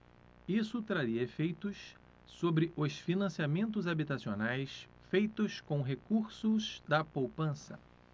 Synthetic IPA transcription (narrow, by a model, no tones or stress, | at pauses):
isʊt̪ɾaɾiɐefejt̪ʊs | sobɾɪʔʊsfinɐ̃siamẽnt̪̬ʊzabit̪asionajs | fejt̪ʊskõw̃ɦekuɾsʊzd̪ɐpowpɐ̃sɐ̰